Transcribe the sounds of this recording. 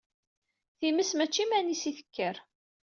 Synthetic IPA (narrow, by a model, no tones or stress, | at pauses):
θiməsmæt͡ʃːimænisiθə̥kːəɾ